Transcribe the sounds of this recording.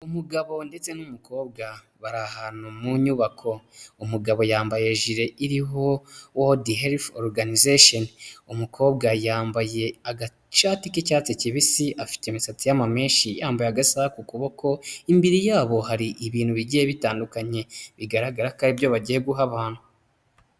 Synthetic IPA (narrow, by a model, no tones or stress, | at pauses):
umuɡaβo̞nde̞t͡se̞numuko̞ːb̚ɡa | βaɾahanumuɲuːβakʰo̞umuɡaβo̞jaːmbaje̞ʒiɾe̞iɾiɦo̞wodiɦeɾfoɾɡanizeʃonumukʰo̞ːbɡajaːmbaje̞aɡa | t͡ʃaːtikicaːt͡siciβisiafi̥temisatijamame̞ːʃijaːmbajaɡasakukuβo̞kʰo̞imbiɾijaːβo̞haɾiʔiβiːn̥huβiɟijeβitaːndukaɲe̞βiɡaɾaɡaɾakaɾibjo̞βaɟiheɡuɦaβaːnhu